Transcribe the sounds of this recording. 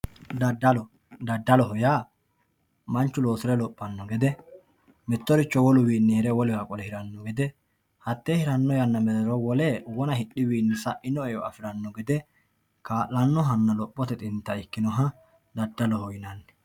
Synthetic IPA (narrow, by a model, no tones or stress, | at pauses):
ddɔ | d̪ɐd̪ːɐlɔɦɔjaː | mɐnt͡ʃːʊlo̞ːsɪɾɛlɔpʼːɐnːɔɡɛd̪ɛ | mɛt̪ːɔɾɪt͡ʃːɔwɔlʊwiːnːɪhɛɾɛwɔlɛjakʼɔlɛhɪɾɐnːɔɡɛd̪ɛ | hɐt̪ːeːhɪɾɐnːɔjɐnːɐmɛd̪ɛɾɔwɔlɛwɔnɐhɪɗːɪwiːnːɪsɐʔɪnɔɛjɔɐ̰fɪɾɐnːɔɡɛd̪ɛ | kaːʔɐnːɔɦɐnːɐlɔpʼːɔt̪ɛt̪ʼɪnt̪ːɐɪkːɪnɔɦɐ | d̪ɐd̪ːɐlɔhɔjɪnɐnːɛ̥